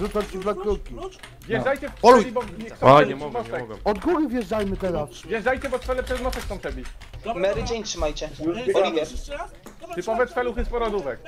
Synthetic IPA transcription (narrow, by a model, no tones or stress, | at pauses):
zut̪at͡ɕud̪lakɾukʲi | vʲjɛajt͡ɕɛɔlʲibɔɲɛsɔmɔsɛkɔd̪ɡuɡɘvʲjɛʐdajmɘt̪ɛɾasvʲjɛʐdajt͡ɕɛbɔt̪fɛlɛpʂɛzmɔsɛksɔ̃w̃t̪ɛbʲi | mɛɾɪd͡ʑɛɲtʂɘmajt͡ɕɛɔlivʲɛ | t̪ɘpɔvɛt̪fɛluxɘspɔɾɔd̪uvɛk